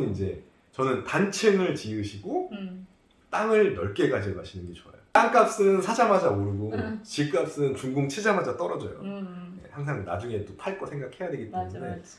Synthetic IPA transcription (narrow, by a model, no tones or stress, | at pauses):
nind͡ʑe̞ | t͡ɕʌnɯntant͡ɕʰeŋɯɭt͡ɕiɯɕʰiɡo | t͈aŋɯɭnʌɭk͈e̞ɡad͡ʑimaɕʰinɯnɡet͡ɕoa̰joaŋk͈ap̚s͈ɯnsʰad͡ʑamad͡ʑamoɾɯɡot͡ɕiɭk͈ap̚s͈ɯɯnt͡ɕuŋɡoŋt͡ɕʰed͡ʑamad͡ʑat͈ʌɾʌd͡ʑʌ̰jo̰je̞̰haŋsʰaŋna̰d͡ʑuŋe̞t͈otʰaɭk͈osʰe̞ŋɡakʰe̞jadeɡit͈e̞mune̞